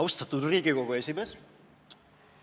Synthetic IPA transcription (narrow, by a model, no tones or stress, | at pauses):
awst̪at̪uɾrikiɣokoesimes